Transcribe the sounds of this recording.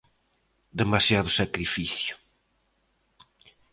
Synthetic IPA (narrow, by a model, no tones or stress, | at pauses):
d̪emasjaðʊsakɾifiθjʊ̥